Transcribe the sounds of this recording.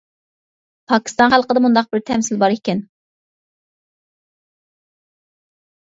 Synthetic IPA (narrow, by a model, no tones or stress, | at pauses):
pʰɑkʲʰi̥st̪ɑnχælˠqəd̪ɛmund̪ɑq̚bɪɾt̪ʰɛmsɪlbɑɾekʲɛn